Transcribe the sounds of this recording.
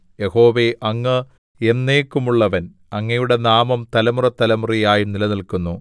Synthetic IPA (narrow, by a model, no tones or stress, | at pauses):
jeho̞ːʋeʔɐŋːɨ | enːe̞ːkːumuɭːɐʋɐn | ɐŋːɐjuɽe̞naːmɐmt̪ɐlɐmurɐt̪ːɐlɐmurijaːjunilɐnilkunːu